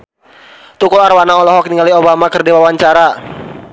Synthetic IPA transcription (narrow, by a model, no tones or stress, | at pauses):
t̪ukɔlarwanaɔlɔɦɔkniŋaliobamakərdewawaɲt͡ʃaɾa